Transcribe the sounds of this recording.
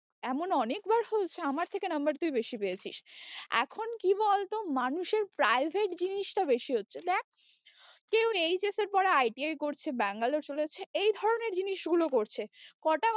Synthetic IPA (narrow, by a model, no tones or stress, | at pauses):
ɛmonɔnekbaɾhot͡ɕʰeamaɾt̪ʰekenʌmbaɾt̪ujbeʃipejet͡ɕʰiʃɛ̰kʰonkibɔlt̪omanuʃeɾpɾajbʱeʈd͡ʑiniʃʈabeʃiɦotːɕʰed̪ɛk̚ʰ | kewejt͡ɕeseɾpɔɾeajʈiajkoɾt͡ɕʰebɛŋɡaloɾt͡ɕoleot͡ɕʰeejd̪ʱɔɾoneɾd͡ʑiniʃɡulokoɾt͡ɕʰekɔʈa